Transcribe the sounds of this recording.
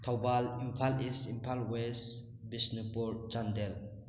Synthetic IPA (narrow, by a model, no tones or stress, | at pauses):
t̪ʰawbalimpʰalisimpʰalwes | bisnipuɾd͡ʒandel